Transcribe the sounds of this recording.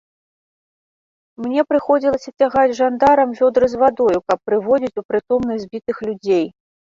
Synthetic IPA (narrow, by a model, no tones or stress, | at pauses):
mnʲɛpɾɨxɔd͡zʲilˠɐsʲɐt͡sʲaɣad͡zʲʐand̪aɾɐmvʲɔd̪ɾɨzvad̪ɔjukɐpːɾɨvɔd͡zʲit͡sʲupɾɨt̪ɔmnɐzʲbʲit̪ɨxlʲud͡zʲej